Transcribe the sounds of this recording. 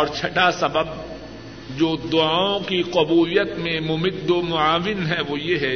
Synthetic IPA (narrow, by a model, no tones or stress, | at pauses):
ɔːɾt͡ʃʰɐʈasɐbəb̚ | d͡ʒoːd̪ʊaːõkiqʊbuːlɪjət̪mẽmʊmɪd̪ːomʊaːʋɪnɦɛʋojeɦɛ